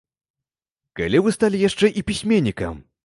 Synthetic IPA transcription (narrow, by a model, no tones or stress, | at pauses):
ka̰lʲivɨst̪alʲijaʂt͡ʂɛʔipʲisʲmʲenʲːikɐ̰m